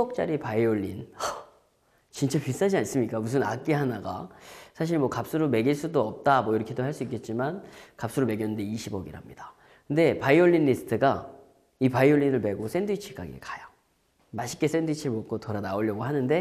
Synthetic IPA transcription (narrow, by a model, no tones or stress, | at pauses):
ʌk̚t͡ɕ͈a̰ɾipaioʎːinʌ | t͡ɕint͡ɕ͈apis͈ad͡ʑians͈ɯmɲik͈amus̬ʰɯna̰k͈iɦanaɡa̰sʰaɕ̬ʰiɭmwʌkap̚s͈uɾome̞ɡiɭs͈udoʌp̚t͈amwʌiɾʌkʰedohaɭs͈uik͈e̞t̚t͡ɕ͈imankap̚s͈uɾome̞ɡjʌnɯndeiɕʰibʌɡḭɾɦamɲida | kɯnde̞paioʎːinːisʰtʰɯɡa | ipaioɭːinɯɭme̞ɡos͈ʰe̞nduit͡ɕʰik͈a̰ɡḭkḁjo | maɕʰi̥k͈e̞s͈e̞nduit͡ɕʰiɭmok͈otoɾanaoʎːʌɡoɦanɯnde̞